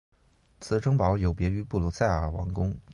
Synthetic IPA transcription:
t͡sʰɹ̩˨˥ʈ͡ʂɤ˥ŋpɑ˧˥ʊjo˨˩ʊpjɛ˧˥y˧˥pu˥˩lu˧˥sa˥˩ɪə˞˨˩wɑ̰˧˥ŋkʊ˥ŋ

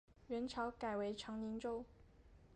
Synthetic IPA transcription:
ɥɛ˧˥nʈ͡ʂʰɑ˧˥ʊka˨˩ɪwe˧˥ɪʈ͡ʂʰɑ˧˥ŋni˧˥ŋʈ͡ʂo˥˧ʊ

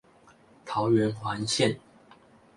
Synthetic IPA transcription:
t̪ʰɑ˨˦ʊɥɛ˨˦nxwa˨˦nɕjɛ˥˨n

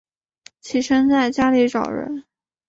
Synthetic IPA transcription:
t͡ɕʰi˨˩ʂə˥nt͡sa˥˩ɪt͡ɕja˥li˧˥ʈ͡ʂɑ˨˩ʊɻə̰˧˥n

